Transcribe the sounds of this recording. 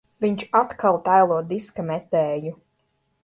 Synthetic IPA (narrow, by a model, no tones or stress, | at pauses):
viɲt͡ʃat̪kʰalˠt̪ajlˠuɔd̪iskmɛt̪ɛːju